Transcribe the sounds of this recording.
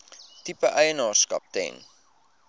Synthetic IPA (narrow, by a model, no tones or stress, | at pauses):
tipəʔəjənɑːrskɐ̰p̚tɛ̰n